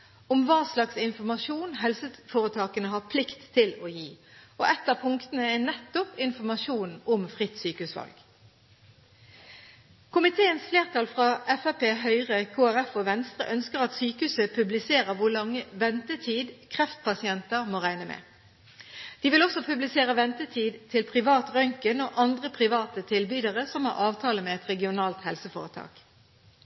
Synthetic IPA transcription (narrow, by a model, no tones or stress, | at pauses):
ʊmʋɑːslɑksɪnfɔmɑʃuːnɦɛlsəfoːʁət̪ʰɑːkənəɦɑːpʰlɪkt̪ʰːɪlojiːɔʔɛt̪ːəpʰʊŋkt̪ənəɛnɛt̪ːʊpɪnfɔʁmɑʃuːnɔmfʁɪt̪ːsyːkəʉːsʋɑ̰lɡ̥ | kʰʊmɪt̪ʰeːənsfleːʁt̪ʰɑlfʁɑːɛfæpeːɦœʏʁəkʰoːæʁɛfoːʋɛnst̪ʁə̰ʔœnskəʁɑt̪syːkəʉːsəpʰʉblɪseːʁəʋʊlɑŋːəʋɛnt̪ət̪ʰiːd̪kʰʁɛft̪pʰɑsɪɛnt̪əʁmoːʁæɪnəmɛ̰ː | d̪̥iːʋɪlɔsɔpʰʉblɪseːʁəʋɛnt̪ət̪ʰiːd̪t̪ʰɪlpʰʁɪʋɑːt̪ʁœŋkənoːʔɑnd̪ʁəpʰʁɪʋɑːt̪ət̪ʰɪlbyːd̪əʁəsɔmhɑ̰ːʁɑːʋt̪ʰɑːləmeːɛt̪ʁɛɡɪʊnɑːlt̪hɛlsəfo̰ːʁət̪ʰɑ̰ːk